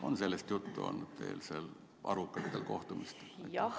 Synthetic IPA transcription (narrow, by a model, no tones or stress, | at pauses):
onselːest̪jut̪ːuo̰nːyt̪t̪eːlsel | ɑɾukːɑlit̪elko̞̰ht̪umist̪